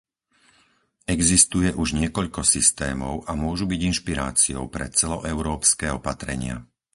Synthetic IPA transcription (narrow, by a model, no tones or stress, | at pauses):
ɛɡzist̪ujɛʔuʒɲɪɛkɔʎkɔsist̪ɛːmɔʊʔamʊɔʒubiɟinʃpiɾa̰ːt͡siɔ̰ʊpɾɛ̰t͡sɛlɔʔɛʊɾɔːpskɛːɔpat̪ɾɛ̰ɲɪa̰